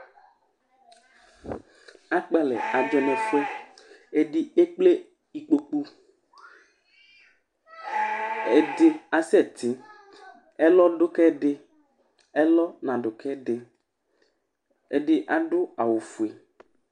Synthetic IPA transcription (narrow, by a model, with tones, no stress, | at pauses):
a˦k͡pa˦lɛ̰˨a˨d͡ʒɔ˨nɛ̃˨fe˦e˦ɖi˦e˦k͡ple˦ | i˨k͡po˨k͡pu˦ | e˨ɖɪ˨a˨sɛ˦˨t̪i˨˦ | ɛ˦lɔ˦ɖʊ˦kɛ˦ɖɪ˦ | ɛ˦lɔ˦nã˨ɖʊ˨kɛ˦ɖɪ˨ | e˨ɖɪ˨ʔa˨ɖʊ˦a˨wo˨fu˨e˨